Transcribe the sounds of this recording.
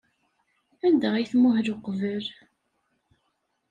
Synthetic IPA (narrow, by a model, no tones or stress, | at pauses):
ænd̪æiθmʊhɾʊqvəl